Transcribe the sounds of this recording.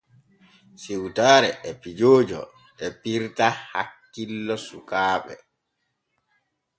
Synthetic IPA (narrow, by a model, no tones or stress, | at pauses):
siwtaːɾɛʔɛpid͡ʒoːd͡ʒɔ̰ | ɛpiɾtaha̰kːilːɔsukaːɓɛ̰